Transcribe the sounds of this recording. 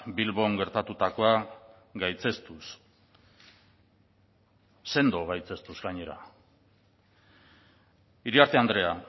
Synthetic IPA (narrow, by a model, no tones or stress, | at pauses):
bilβo̞ŋɡe̞ɾt̪at̪ut̪ako̞a | ɡajt͡sest̪us | se̞nd̪o̞ɣ̞ajt͡se̞st̪uzɡaɲe̞ɾa̰ | iɾiaɾt̪e̞and̪ɾe̞a